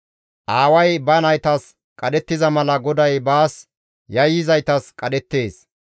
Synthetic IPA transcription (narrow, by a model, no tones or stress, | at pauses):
ʔaːwɐjbɐnɐjt̪ɐs | kʼɐɗɛt̪ːɪzɐmɐlɐɡɔd̪ɐjbaːs | jɐjːɪzɐjt̪ɐskʼɐɗɛt̪ːe̞ːs